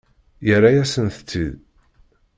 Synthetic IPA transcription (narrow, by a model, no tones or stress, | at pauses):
jərːajæsənθət͡sːḭð